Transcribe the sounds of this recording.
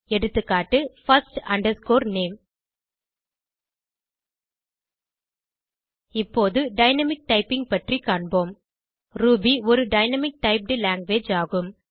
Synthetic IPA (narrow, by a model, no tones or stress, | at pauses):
ɛɽɯt̪ːɯkːaːʈːɯfɐsʈɐɳɖɐɾskoːɾneːm | ɪpːoːðɯɖɐɪnɐmɪk̚ʈɐɪpɪŋɡ̚pɐʈrikːaːɳboːm | ɾuːbiɔɾɯɖɐɪnɐmɪk̚ʈɐɪp̚ɖɯlaːŋɡʋeːd͡ʒaːɣɯm